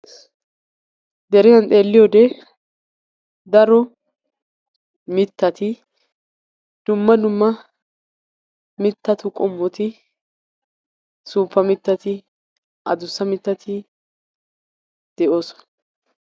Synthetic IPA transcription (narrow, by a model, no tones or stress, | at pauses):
d̪ɛɾɪzɐnt̪ʼe̞ːlːɪjoːd̪ɛ | d̪ɐɾɔ | mɪt̪ːɐt̪ɪ | d̪̥ʊmːɐd̪ʊmːɐ | mɪt̪ːɐt̪ʊkʼɔmːɔt̪ɪ | suːpːɐmɪt̪ːɐt̪ɪ | ʔɐ̰d̪ʊsːɐmɪt̪ːɐt̪ʰɪ | d̪̥ɛʔo̞ːsɔ̥nɐ